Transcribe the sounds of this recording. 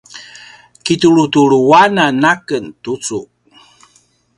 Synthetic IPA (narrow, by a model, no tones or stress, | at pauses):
kituɭutuɭuwananakəntut͡su